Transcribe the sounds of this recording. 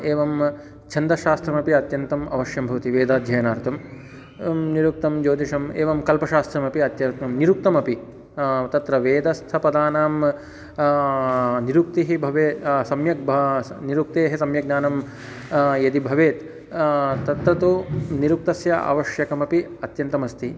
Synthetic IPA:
eːʋɐm | t͡ʃʰɐnd̪ɐʃaːst̪ɾɐmɐpiɐt̪jɐnt̪ɐmɐ̰ʋɐʃjɐmbʱɐʋɐt̪iʋeːd̪aːd̪ʱjɐjɐnaːɾt̪ɐm | niɾuk̚t̪ɐmd͡ʒoːd̪ʱiʂɐmeːʋɐmkɐlpɐʃaːst̪ɾɐmɐpiɐt̪jɐɾt̪ɐmniɾuk̚t̪ɐmɐpi | t̪ɐt̪ɾɐʋeːd̪ɐst̪ʰɐpɐd̪aːnaːm | niɾuk̚t̪iɦibʱɐʋeːt̪sɐmjɐk̚bʱniɾuk̚t̪eːɦɐsɐmjɐɡ̚naːnɐm | jɐd̪ibʱɐʋeːt̪ | t̪ɐt̪ɾɐt̪uniɾuk̚t̪ɐsjɐʔɐ̰ʋɐʃjɐkɐmɐpiɐt̪jɐnt̪ɐmɐst̪ʰi

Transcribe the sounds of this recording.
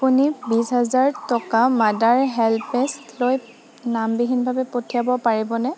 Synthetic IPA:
apunibisɦazaɹtɔkamadaɹɦɛlpɛstloj | nambiɦinbʱabɛpotʰiabɔpaɹibɔnɛ

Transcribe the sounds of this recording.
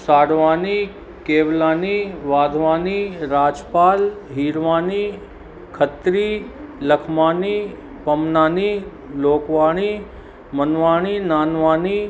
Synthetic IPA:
saːɽʋaːni | keːʋlaːniʋaːd̪ʱʋaːniɾaːd͡ʒpaːlɦiːɾʋaːni | kʰət̪ɾiːləkʰmaːni | pɐmnaːni | loːkʋaːɽ̃i | mɐnʋaːɽ̃inaːnʋaːni

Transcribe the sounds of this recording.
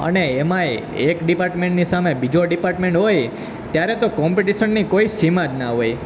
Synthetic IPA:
ə̰neemãe | ekɖipaɾʈmẽɳʈnisamebid͡ʒoɖipaɾʈmẽɳʈɦoj | t̪jaɾɛt̪okɔmpiʈiʃənːikoisimad͡ʒnaɦoj

